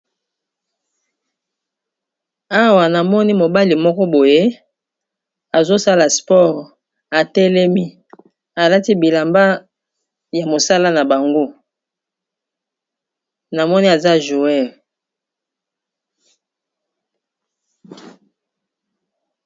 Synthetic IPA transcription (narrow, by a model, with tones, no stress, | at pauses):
a˦wa˨na˨mɔ˦ni˦mo˨ba˦li˨mɔ˦kɔ˦bo˨je˦ | a˨zo˦sa˦la˨spɔ˦ʁ | a˨tɛ˦lɛ˦mi˦ | a˨la˦ti˦bi˨la˨mba˦ | ja˨mo˨sa˦la˦na˨ba˨ŋɡo˦ | na˨mɔ˦ni˦a˨za˦ʒu˨ɛ˦˨v